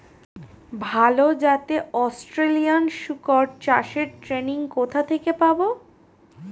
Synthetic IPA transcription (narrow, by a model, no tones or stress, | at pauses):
bʱalod͡ʑat̪eɔsʈɾelijanʃukoɾ̚t͡ɕaʃeɾʈɾeniŋkot̪ʰat̪ʰekepabo